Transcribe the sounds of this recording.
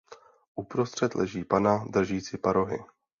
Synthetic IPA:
ʔupɾo̞st̪r̝̥ɛt̪lɛʒiːpanad̪r̩ʒiːt͡sɪpaɾoɦɪ̰

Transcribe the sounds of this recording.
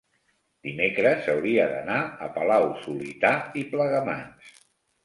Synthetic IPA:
d̪̥imekɾəzəwɾiəðə̰naə̰pəlawsulit̪aipləɣəma̰ns

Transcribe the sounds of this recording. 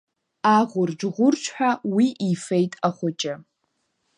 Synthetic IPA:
aʁʷʊrd͡ʒʁʷʊrt͡ʃʷʰħʷᶣawiʔifejtʼaχʷʊt͡ʃʼɪ

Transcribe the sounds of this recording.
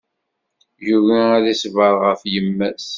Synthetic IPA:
juʝnæðisəvəɾˤʁəfjəmːæs

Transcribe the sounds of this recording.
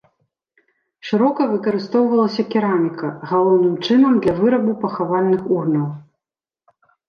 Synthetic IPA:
ʂɨɾɔkɐvɨkɐɾɨst̪ɔwvɐlˠɐsʲɐkʲiɾamʲikɐɣalˠɔwn̪ɨmt͡ʂɨnɐmd̪lʲɐvɨɾɐbupɐxavalʲnɨxurnɐw

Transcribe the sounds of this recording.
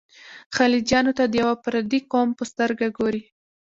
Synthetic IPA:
xalid͡ʒjɑnot̪ad̪əjawapɾad̪ikompəst̪əɾɡaɡoɾi

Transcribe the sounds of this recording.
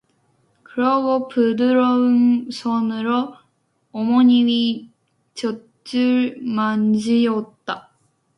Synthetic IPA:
kɯɾʌɡopɯdɯɾʌɯnsʰʌnɯɾoː | moɲimi | t͡ɕʌ | t͡ɕ͈ɯɭmand͡ʑiʌt̚t͈a

